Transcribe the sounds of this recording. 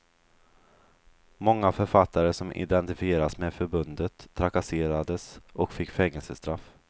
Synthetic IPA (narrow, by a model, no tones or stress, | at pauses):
mɔŋːafœɾfat̪ʰːaɾəsɔmʔɪ̰d̪ɛnt̪ɪfɪeːɾasmɛfœɾbɵnd̪ət̪ʰːɾakaseːɾad̪əsʔɔkfɪkːfɛŋːəlsəst̪ɾaf